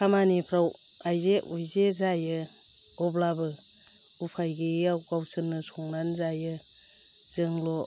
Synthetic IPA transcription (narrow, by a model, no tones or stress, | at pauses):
kʰamanipʰɾaw | ajzeʔujzezajɯ | ɔblabɯ | upʰajɡiawɡawsɯnːɯsɔŋnanzajɯ | z̥ɯŋlɔ